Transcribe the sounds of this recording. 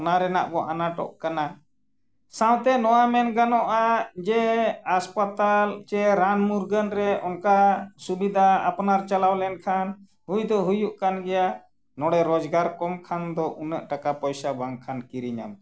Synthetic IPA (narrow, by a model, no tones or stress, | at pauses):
naɾɛna̰ʔbɔʔanaʈɔ̰ʔkana | sãw̃t̪ɛnɔwamɛnɡanɔʔad͡ʒɛaspat̪alt͡ʃɛɾanmuɾɡənɾɛʔɔnkasubid̪ʱa̰ːpnaɾt͡ʃalawlɛnkʰan | ɦujd̪ɔɦujuʔkanɡɛja | nɔɽɛɾɔd͡ʒɡaɾkɔmkʰand̪ɔʔunəʔʈakapɔjsabaŋkʰankiɾiɲa̰m